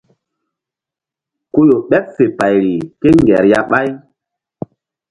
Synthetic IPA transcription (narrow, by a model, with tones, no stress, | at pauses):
ko˦jo˨ɓɛ˦p̚fe˨pa˨jɾi˨ke˦ŋɡɛ˨ɾja˦ɓa˦j